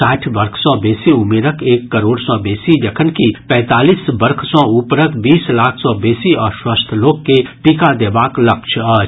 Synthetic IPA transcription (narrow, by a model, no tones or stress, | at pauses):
aːʈʰbɐɾkʰsɔ̃beːsiʊmeːɾəkʰeːkːɐɾoːɽsɔ̃beːsid͡ʒɐkʰənkipɛ̃ːt̪aːliːsbəɾkʰsɔ̃upɾəkʰbiːslaːkʰsɔbeːsiɔːɾswəst̪ʰloːɡkeʈiːkad̪eːbaːklɐkʃʰaː